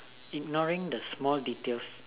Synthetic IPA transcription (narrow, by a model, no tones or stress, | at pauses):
ik̚nɔɹĩŋdəsmɔlditels